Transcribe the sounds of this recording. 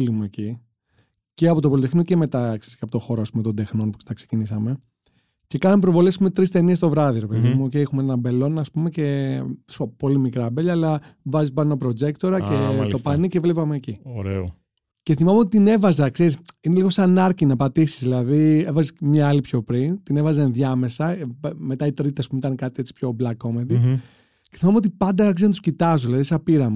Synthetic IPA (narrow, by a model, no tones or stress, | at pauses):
limeci | ceɐpo̞t̪o̞polit̪e̞xnoceme̞t̪ɐkseiskcɐpot̪oxo̞ɾoɐspumet̪o̞nd̪e̞xno̞npo̥st̪ɐksecinisɐme̞ | ce̞kɐnɐmepɾovo̞lesaspumet̪ɾist̪e̞niest̪o̞vɾɐðiɾe̞pe̞ðimuocejexumeenɐbe̞lo̞nɐspume̞ce̞spo̞limikɾɐbeʎɐːlɐvɐzipɐnopɾo̞d͡ʒe̞kt̪o̞ɾɐcet̪opɐnicevlepɐme̞ːcioɾḛo | ce̞θimɐmeot̪it̪ine̞vɐzɐkse̞ɾisine̞liɣo̞sɐnɐɾcinɐpɐt̪isi̥zðilɐðie̞vɐzemɲɐɐlipço̞pɾint̪ine̞vɐzɐnðʝɐme̞sɐpme̞t̪ɐit̪ɾit̪eɐspumeit̪ɐnekɐt̪ie̞t͡si̥pço̞blɐkːomed̪i | ceθimɐmeot̪ipɐnd̪ɐɐɾçizenɐt̪u̥scit̪ɐzoðilɐðisɐpiɾɐmu